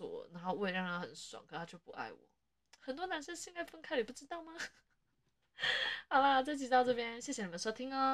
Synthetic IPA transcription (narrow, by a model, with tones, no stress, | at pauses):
wɔ̰˨˩na˧˥xo˥˧ʊwe˥˩ɪɻa˥˩ŋn˧˥˩xə˨˦nswa̰˨˩ŋkʰɤ˧˩t̪ʰa˥jo˥˩ʊpṵ˧˥ʔa̰˥˩ɪwɔ̰˨˩˦ | xə˨˩nt̪̬wɔ˥na˧˥nʂə˥nɕi˥ŋka˥˩ɪfə˥nkʰa˥ɪli˨˩pu˥˩ʈ͡ʂɻ̩˥t̪ɑ˥˩ʊma˩ | xa˨˩ʊba˧˨˩t͡sɪt͡ɕi˨˩t̪ɑ˥˧ʊʈ͡ʂɤ˥˩pjɛ˥nɕjɛ˥˩ɕjɛ˧˩i˨˩ə˧˦nʂo˥ʊt̪ʰi˥ŋə˧